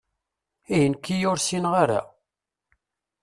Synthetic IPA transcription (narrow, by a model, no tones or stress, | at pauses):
ijənkːijʊɾsinʁaɾa̰